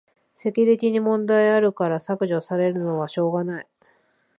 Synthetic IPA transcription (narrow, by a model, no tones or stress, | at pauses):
se̞kʲiɾʲit̪ʲiɲ̟imõ̞nd̪aiaɾɯ̟kaɾasakɯ̟ʑo̞saɾe̞ɾɯ̟no̞β̞aɕo̞ːɡanai